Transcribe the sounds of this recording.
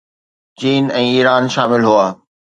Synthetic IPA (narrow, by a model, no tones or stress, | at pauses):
t͡ɕiːnɛ̃ːiːɾaːnʃaːmɪlɦuaː